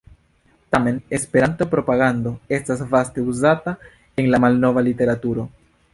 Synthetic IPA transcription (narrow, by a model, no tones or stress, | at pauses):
tame̞nespe̞ɾanto̞pɾo̞paɡando̞e̞stasvaste̞uzata | e̞nlamalno̞valite̞ɾatuɾo̞